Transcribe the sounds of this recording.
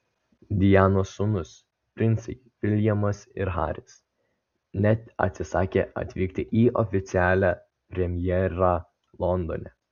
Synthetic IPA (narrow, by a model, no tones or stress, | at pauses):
d̪ʲɪjæːnoːsʊnʊs | pʲɾʲɪnt̪sʲɐɪpʲɪlʲjɛmɐsɪɾɦɑ̰ːɾʲɪs | nʲɛt̪ɐ̰t̪ʲsʲɪsɑːkʲeɐ̰t̪ʲʋʲiːkt̪ʲɪʔiːʔɔ̰fʲɪt̪sʲɪæːlʲæ | pʲɾʲɛmʲjɛɾɑ | lˠɔnd̪ɔ̰nʲɛ